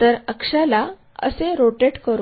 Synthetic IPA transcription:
t̪əɾəkʂala | ə̰seɾoʈeʈkəɾ

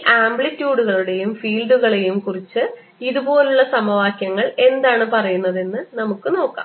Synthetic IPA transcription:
ʔaːmbɭitːjuːɽuɣɐɭuɽe̞jumfiːlɖuɣɐɭe̞jumkurit͡ɕːɨ | iðubo̞ːluɭːɐsɐmɐʋaːkjɐŋːɐɭe̞nd̪aːɳɨpɐrɐjunːɐðe̞nːɨnɐmukːɨno̞ːkːa̰ːm

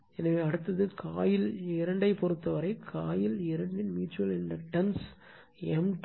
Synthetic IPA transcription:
ɛnɐʋeːɐɽɯt̪ːɐðɯkʰaːjɪlɪɾɐɳɖɐɪpɔɾɯt̪ːɐʋɐɾɐɪkʰːaːjɪlɪɾɐɳɖɪnmiːʈt͡ʃːuʋɐlɛndrɐʈɐns | ɛmʈ

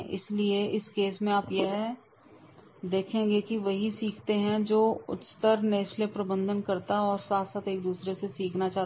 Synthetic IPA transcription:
ɪ̰slieɪskeːsmẽaːpjɛɦɛ | d̪eːkʰẽːŋɡekiʋɐɦisiːkʰt̪eɦɛ̃d͡ʒoːʊ̰t̪t̪əɾneːʃlepɾɐbə̃nd̪ʱənkɐɾt̪aɦɛɔːɾsaːt̪ʰsaːt̪eːk̚d̪uːsɾesesiːkʰnat͡ʃaː

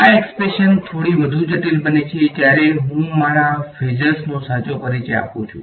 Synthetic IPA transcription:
aekspɾeʃənt̪ʰoɽiʋəd̪ʱũd͡ʒəʈilbənet͡ʃʰet̪jaɾeɦũmaɾafed͡ʒəɾsnosat͡ʃopəɾit͡ʃea̰pṵ̃t͡ʃʰṵ̃

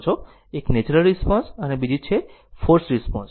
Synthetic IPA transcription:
t͡ʃʰo | eknet͡ʃɾəlɾispɔ̃nsənebid͡ʒit͡ʃʰefʰoɾsɾispɔ̃ns

